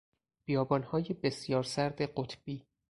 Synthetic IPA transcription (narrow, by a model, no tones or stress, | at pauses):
b̥ijɒːbɒːnhɒːjebe̞sjɒːɾsæɾd̪eɢot̪ʰb̥iː